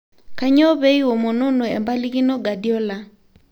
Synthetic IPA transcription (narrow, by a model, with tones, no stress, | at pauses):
ka˦ɲɔ˦βɛ˦i˦wɔ˨mɔ˨nɔ˦nɔ˨ɛ˨mba˦li˦ki˦nɔ˦ɡa˨di˦ɔ˦la˨